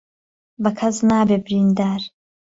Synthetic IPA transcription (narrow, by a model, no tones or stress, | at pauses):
bɐkʰɐznaːbeːbɪɾiːnd̪aːɾ